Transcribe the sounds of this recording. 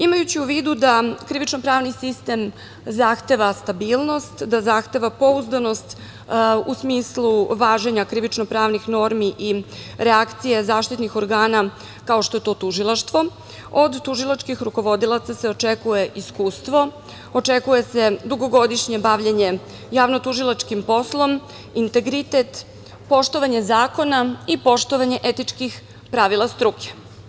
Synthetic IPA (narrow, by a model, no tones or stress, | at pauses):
imajut͡ɕiuʋiːd̪ud̪akɾiʋit͡ʃnopɾaːʋnisist̪e̞m | zaxt̪e̞ʋast̪abiːlˠno̞st̪d̪azaxt̪e̞ʋapo̞uzd̪ano̞st̪ | usmiːsluʋaːʒe̞ɲakɾiʋit͡ʃnopɾaːʋnixno̞ɾmiʔiɾeakt̪sije̞zaːʃt̪it̪nixo̞ɾɡaːna | kao̞ʃt̪o̞je̞t̪o̞ːt̪uʒilˠaʃt̪ʋo̞ | od̪ːuʒilˠat͡ʃkixɾuko̞ʋo̞d̪ilˠat̪sase̞o̞t͡ʃe̞kuje̞ʔiskuːst̪ʋo̞ | ot͡ʃekuje̞se̞d̪uɡo̞ɡo̞d̪iʃɲe̞baʋʎeɲe̞ | jaːʋno̞t̪uʒilˠat͡ʃkimpo̞slˠo̞m | int̪e̞ɡɾit̪et̪ | po̞ʃt̪o̞ʋaɲe̞zaːko̞naipo̞ʃt̪o̞ʋaɲe̞ʔet̪it͡ʃkix | pɾaʋilˠast̪ɾukʰe̥